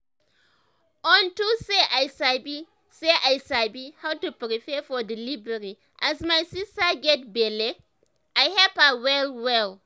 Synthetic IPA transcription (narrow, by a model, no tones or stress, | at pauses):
ʔɔ̃ntuseʔajsabi | seʔajsabihawtupɾifɛfɔdilibəɾi | ʔazmajsistaɡɛt̚bele | ʔajhɛpawɛlwɛl